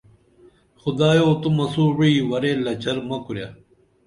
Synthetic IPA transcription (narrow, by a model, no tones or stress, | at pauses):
xʊd̪aːjoːt̪umɐsuːwiːwɐɾeːlɐt͡ɕɐɾmɐkuɾjaː